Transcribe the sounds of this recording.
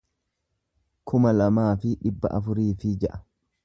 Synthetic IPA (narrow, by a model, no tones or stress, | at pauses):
kʰʊmɐlɐmaːfɪᶑɪbːɐ̰ʔɐfʊɾiːfɪd͡ʒɐʔɐ̥